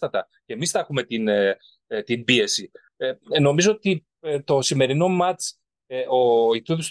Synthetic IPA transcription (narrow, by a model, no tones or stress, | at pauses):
ɐt̪ɐ | cemisθɐexume̞t̪in | t̪imbie̞si | eno̞mizo̞ot̪i | t̪o̞sime̞ɾino̞mɐt͡s | eʔo̞it̪uðos